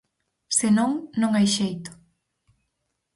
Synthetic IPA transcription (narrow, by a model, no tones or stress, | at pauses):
senõŋnõŋajʃejt̪ʊ̥